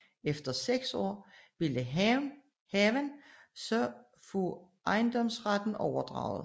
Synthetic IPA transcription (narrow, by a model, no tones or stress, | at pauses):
efd̥ɐseɡ̥sɒ̰ːʋiləɦ | hɛʋænsɒ̽ | fo | ʔɑ̈ɪnd̥ɒ̽msʁad̥n̩ɒʊɐd̥ʁɑ̰̈ʊð̩ˠ